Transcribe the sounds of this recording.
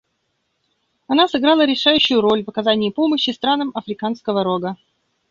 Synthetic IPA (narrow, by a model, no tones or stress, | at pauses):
ɐnasɨɡɾalˠəɾʲɪʂajʉɕːʊjʊɾo̞lʲvəkɐzanʲɪːpo̞məɕːɪst̪ɾanəmɐfɾʲɪkanskəvəɾoɡə